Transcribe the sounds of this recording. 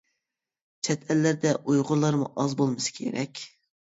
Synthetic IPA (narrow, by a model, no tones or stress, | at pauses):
t͡ʃʰɛt̪ʰælːæɾd̪ɛʔujʁʊɾlˠːɑɾmṵʔɑzbolˠmɨsɨ̥kʲʰḛɾɛkʲ